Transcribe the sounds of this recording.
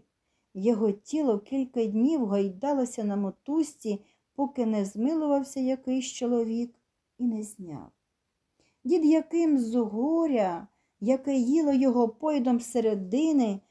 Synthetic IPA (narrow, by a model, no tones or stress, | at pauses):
jɔɦɔtʲilˠɔkʲilʲkɐdʲnʲiwɦɔjd̪ɑlˠɔsʲɐnɐmɔt̪usʲtʲi | pɔkɪnɛzmɪlˠʊʋɐwsʲɐjɐkɪjʃt͡ʃɔlˠɔʋʲik | inɛzʲnʲɑ̰w | ʋʲid̪jɐkɪmzʊɦɔɾʲɐ | jɐkɛjilˠɔjɔɦɔpɔjid̪ɔmseɾed̪ɪnɪ